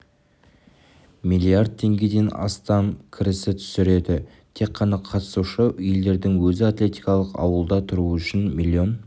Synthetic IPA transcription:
mijlʲˠiard̪̚t̪ʰːe̞ŋɡʲe̞d̪e̞nɑ̰st̪ɑmkʲʰɪɾɪsɪt̪ʰʏ̥sɪɾe̞d̪ɪ | t̪ʰe̞qːɑnɑqʰɑt̪ə̥suʃəjeld̪e̞ɾd̪ɪŋwɵzɪat̪lʲe̞t̪ijkɑlˠəqɑ̰wəlˠd̪ɑt̪ʰʊɾuʏʃɪnmilʲːio̞n

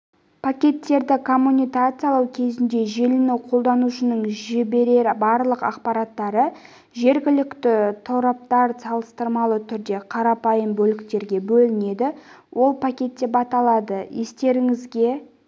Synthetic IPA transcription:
pʰakʲe̞t̪ːe̞ɾd̪ɪkʰo̞mːunʲijkat̪sɨjalˠɑwkʲʰe̞zɪnd̪e̞ʒe̞lɪnɪwqʰo̞lˠd̪ɑnuʃənəɴʒɪbeɾeɾɪbɑɾlˠəqɑqpɑɾɑt̪ːɑɾə | ʒe̞ɾɡʲɪlɪkt̪ɪt̪ʰoɾɑp̚t̪ɑɾsɑlˠəst̪əɾmɑlˠət̪ʰʏɾd̪e̞qʰɑɾɑpɑjəmbɵlɪkt̪e̞ɾɡʲe̞bɵlɪne̞d̪ɪ | wʔo̞lˠpʰakʲe̞t̪ːe̞pɑt̪ɑlˠɑd̪əje̞st̪e̞ɾɪŋɪzɡʲe̞

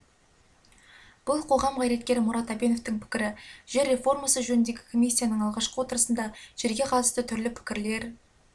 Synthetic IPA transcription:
b̥ʊlˠqʰo̞ʁɑmqʰɑjɾe̞t̪̚kʲe̞ɾɪmʊɾɑt̪æbe̞no̞ft̪ɪŋpʰɪ̥kʲɪɾɪʒ̥e̞ɾːe̞fo̞rmɑsəʒɵnɪnd̪e̞ɡʲɪkʰo̞mijsʲːijanəɴɑlˠʁɑʃqəwo̞t̪əɾəsənd̪ɑʒ̥e̞ɾɡʲe̞qʰɑt̪əst̪ət̪ʰʏɾlɪpʰɪ̥kʲɪɾle̞ɾ

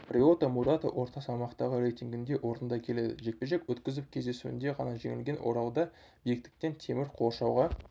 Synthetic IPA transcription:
rʲio̞t̪amuɾat̪ə̰ʔwʔo̞ɾt̪ɑsɑmɑqt̪ɑʁəɾejt̪ʲiŋɡʲɪnd̪e̞ʔo̞ɾənd̪ɑkʲʰe̞le̞d̪ɪ̰ʒe̞k̚pe̞ʒe̞kwɵt̪kʲɪzɪp̚kʲʰe̞zd̪e̞suɪ̰nd̪e̞ʁɑnɑʒe̞̰ŋɪlɡʲe̞nʔwo̞̰ɾɑlˠd̪ɑ | bijɪk̚t̪ɪ̥k̚t̪e̞nt̪ʰe̞mɪɾqʰo̞ʃɑwʁɑ

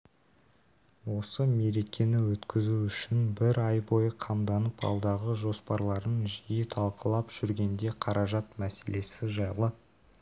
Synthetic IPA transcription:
wo̞səme̞ɾe̞kʲʰe̞nɪwɵt̪kʲɪzuʏʃɪnbɪɾɑjbo̞jəqʰɑmd̪ɑnəpɑ̰lˠd̪ɑʁəʒo̞spɑɾlˠɑɾənʒijət̪ʰɑlˠqəlˠɑpʒ̥ʏɾɡʲe̞nd̪e̞qʰɑɾʔɑʒɑt̪mæse̞lʔe̞sɪʒɑjlˠə

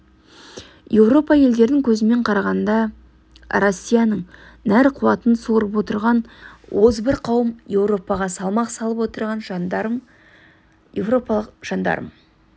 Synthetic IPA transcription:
je̞wɾo̞pɑje̞ld̪e̞ɾd̪ɪŋkʲʰɵzɪme̞ɴqʰɑɾɑʁɑnd̪ɑ | ɾo̞sʲːijɑnəɴ | næɾqʰʊwɑt̪ənsuɾəpwo̞t̪əɾʁɑnwozbɪɾqʰɑwəmje̞wɾo̞pɑʁɑsɑlˠmɑqsɑlˠəpwot̪əɾʁɑnʒ | ewopʒ̥ɑnd̪ɑ̰ɾəm

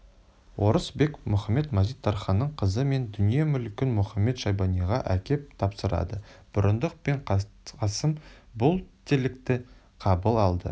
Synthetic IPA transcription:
wʔo̞ɾəsbe̞kmʊχɑmːe̞t̪mɑzijt̪ʰːɑɾχɑnːəɴqʰəzəme̞nd̪ʏnije̞mʏlkʲɪnmʊχɑmːe̞t̪ʃɑjbɑnijʁɑʔækʲʰe̞p̚t̪ʰɑpsəɾɑ̰d̪əb̥ʊɾənd̪əq̚pe̞ɴqqʰɑsəmbʊlˠt̪ʰelɪk̚t̪ɪ | qʰɑbəlˠɑlˠd̪ə̰

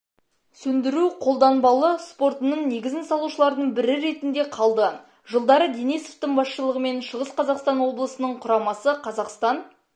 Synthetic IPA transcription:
sɵnd̪ɪɾuqʰo̞lˠd̪ɑnbɑlˠəspo̞rt̪ənəɴne̞ɡʲɪzɪnsɑlˠuʃəlˠɑɾd̪əɴbɪɾɪɾe̞t̪ɪnd̪e̞qʰɑlˠd̪ə | ʒəlˠd̪ɑɾəd̪enijsoft̪ɪɴbɑsʃəlˠəʁəme̞nʃəʁəsqʰɑzɑqst̪ɑnwo̞blˠəsənəɴqʰʊɾɑmɑsəqʰɑzɑqst̪ɑn

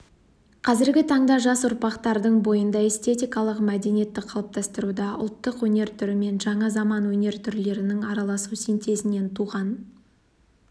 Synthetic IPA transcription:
qʰɑzɪɾɡʲɪt̪ʰɑɴd̪ɑʒɑsʊɾpɑqt̪ɑɾd̪əɴbo̞jənd̪ɑe̞st̪e̞t̪ijkɑlˠəqmæd̪e̞nije̞t̪ːɪqʰɑlˠəp̚t̪ɑst̪əɾud̪ɑʔʊ̰lˠt̪ːəqwɵne̞ɾt̪ʰʏɾɪme̞nʒɑɴɑzɑmɑnwɵne̞ɾt̪ʰʏɾle̞ɾɪnɪŋɑɾɑlˠɑsusent̪ʰe̞sɪne̞nt̪ʰuʁɑn

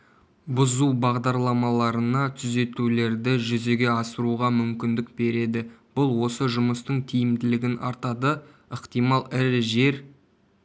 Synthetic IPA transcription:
bʊzubɑʁd̪ɑɾlˠɑmɑlˠɑɾənɑt̪ʰʏze̞t̪ule̞ɾd̪ɪʒʏze̞ɡʲe̞ɑsəɾuʁɑmʏmkʲɪnd̪ɪk̚be̞ɾe̞d̪ɪb̥ʊlˠwo̞səʒʊməst̪əɴt̪ʰijɪmd̪ɪlɪɡʲɪnʔɑ̰ɾt̪ɑd̪ə | əqt̪ijmɑlˠɪɾʒe̞ɾ

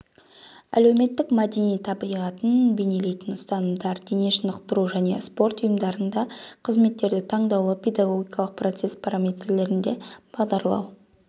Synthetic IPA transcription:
æ̰le̞wme̞t̪ːɪkmad̪enijt̪ʰɑbijʁɑt̪ənbe̞ne̞le̞jt̪ɪnʊst̪ɑnəmd̪ɑɾd̪eneʃənəqt̪əɾuʒæne̞̰spo̞rt̪ʊjəmd̪ɑɾənd̪ɑqʰəzme̞t̪ːe̞ɾd̪ɪt̪ʰɑɴd̪ɑwlˠəpʰʲe̞d̪ɑɡo̞ɡʲijkɑlˠəq̚pro̞t̪se̞spʰaɾamʲe̞t̪rle̞ɾɪnd̪e̞b̥ɑʁd̪ɑɾlˠɑ̰w

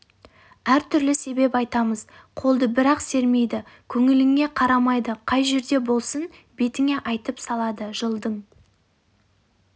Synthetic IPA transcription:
æɾt̪ʰʏɾlɪse̞be̞pɑjt̪ɑməz̥ | qʰo̞lˠd̪əbɪɾɑqse̞ɾme̞jd̪ɪkʲʰɵŋɪlɪŋe̞qʰɑɾɑmɑjd̪əqʰɑjʒe̞ɾd̪e̞bo̞lˠsən | be̞t̪ɪŋe̞ʔɑjt̪əpsɑlˠɑd̪əʒəlˠd̪əɴ

